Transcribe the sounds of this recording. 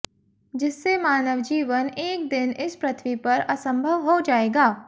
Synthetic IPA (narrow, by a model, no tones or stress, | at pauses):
d͡ʒɪsːemaːnəʋd͡ʒiːʋəneːk̚d̪ɪnɪspɾət̪ʰʋipɐɾɐsə̃mbʱəʋɦod͡ʒaːeːɡaː